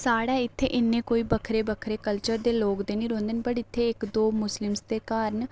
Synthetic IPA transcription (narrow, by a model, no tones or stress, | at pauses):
saːɽaːɪt̪ʰːḛːʔɪnːẽːkoːiːbəkʰɾeːbəkʰɾeːkəlt͡ʃəɾd̪eːloːkd̪eːnĩːɾõːnd̪ənbəɽɪt̪ʰːeːɪkd̪oːmʊslɪmsd̪eːkaːɾən